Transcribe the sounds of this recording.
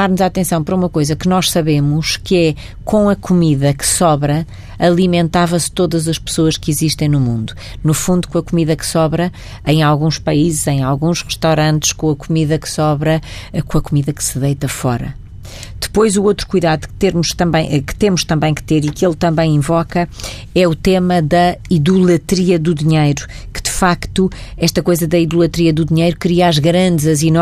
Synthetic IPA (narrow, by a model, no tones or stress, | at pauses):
aɾnuzaat̪ẽsɐ̃w̃pɐɾɐumɐkojzɐkɨnɔʃsɐβemuʃkɨɛ | kõɐkumiðɐkɨ̥sɔβɾɐ | ɐlˠimẽnt̪avɐst̪oðɐzɐʃpɨ̥soɐʃkiziʃt̪ɐ̃j̃numũnd̪u | nufũnd̪u̥kõɐkumiðɐksɔβɾɐ | ɐ̃j̃alˠɣũʃpɐizɨzɐ̃j̃alˠɣũʃʁɨʃt̪awɾɐ̃nt̪ʃkõɐkumiðɐkɨ̥sɔβɾɐ | kõɐkumiðɐksɨðɐjt̪ɐfɔɾɐ̰ | d̪̥ɨ̥pojzuowt̪ɾu̥kujðaðukt̪eɾmuʃt̪ɐ̃mbɐ̃j̃ʔkɨ̥t̪emuʃt̪ɐ̃mbɐ̃j̃kɨ̥t̪eɾikelˠt̪ɐ̃mbɐ̃j̃ĩvɔkɐ | ɛut̪emɐðɐiðulˠɐt̪ɾiɐðuðiɲejɾu | kɨ̥d̪ɨfakt̪uɛʃt̪ɐkojzɐðɐiðulˠɐt̪ɾiɐðuðiɲejɾukɾiɐaʒɣɾɐ̃nd̪zɐzin